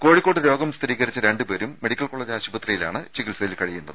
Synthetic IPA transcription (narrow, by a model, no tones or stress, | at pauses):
ko̞ːɻikːoʈːɨɾo̞ːɡɐmst̪riːɣɐɾit͡ɕːɨɾeɳɖɨpeːɾumːe̞ɽikʲːɐlko̞ːɭeːd͡ʑaːɕubɐt̪rijila̰ːɳɨt͡ɕikːilsɐjilkɐɻijːunːɐðɨ